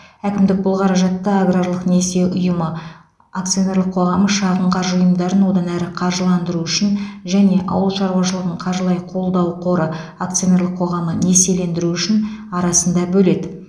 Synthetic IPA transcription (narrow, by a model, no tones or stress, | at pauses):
ækʲɪmd̪ɪk̚bʊlˠqʰɑɾɑʒɑt̪ːəaɡɾaɾlˠəqne̞se̞ʔʊjəmə | akt̪sijo̞ne̞ɾlˠəqʰo̞ʁɑməʃɑʁəɴqʰɑɾʒəʊjəmd̪ɑɾənwo̞d̪ɑnæɾɪqʰɑɾʒəlˠɑnd̪əɾuʏʃɪnʒæne̞ʔɑ̰wəlˠʃɑɾwɑʃəlˠəʁəɴqʰɑɾʒəlˠɑjqʰo̞lˠd̪ɑwqʰo̞ɾəak̚t̪sɨjone̞ɾlˠəqʰːo̞ʁɑməne̞se̞le̞nd̪ɪɾuʏʃɪnɑɾɑsənd̪ɑbɵle̞d̪ɪ